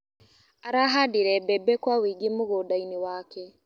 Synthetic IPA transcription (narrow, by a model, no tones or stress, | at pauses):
aɾaɦadiɾɛbɛbɛkwawiːɡimoɣodainiwakɛ